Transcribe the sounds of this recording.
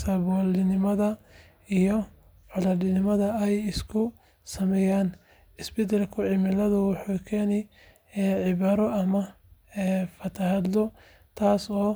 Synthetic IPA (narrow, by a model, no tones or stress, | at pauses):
sɐβɔːlɪnɪmɐðɐ | ijɔ | ʕɔlɐdɪnɪmɐðɐɛjɪskʰʊ | sɐmɛːjaːn | ɪsbɛd̪ɛlkʰʊʕɪmɪlɐðʊwʊħuːkʰɛːnɛj | ʕɪβaːɾɔʔɐmɐ | ɛfɐt̪ʰɐɦɐd̪lɔ | t̪ʰaːsɔː